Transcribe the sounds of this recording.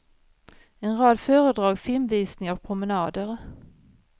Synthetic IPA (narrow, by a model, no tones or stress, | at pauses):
ɛnɾɑːd̪fœːɾəd̪ɾɑːɡfɪlmviːsnɪŋavpʰɾʊmɛnɑːd̪əɾ